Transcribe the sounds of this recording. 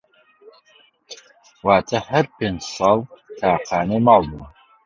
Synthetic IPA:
waːt̪ʰɐhɐɾpeːnd͡ʒsɑːlˠt̪ʰaːqaːnemɑːlˠbun

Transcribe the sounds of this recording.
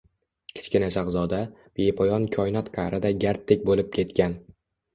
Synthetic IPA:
kʲʰɪ̥t͡ʃkʲɪnaʃaqzɒd̪ab̥epʰɒjɒnkʲʰɒjnɒt̪qʰɑɾʔɪd̪aɡʲaɾt̪ʰːɪk̚ʲbolɪp̚kʲʰe̞t̪kʲan

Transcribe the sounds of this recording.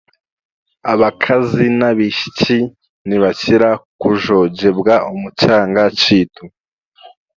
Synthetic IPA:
aβakʰazinaβiʃi̥t͡ʃi | niβaciɾakuʒo̞d͡ʒe̞bɡaʔumut͡ʃaːŋɡat͡ʃiːtʰu

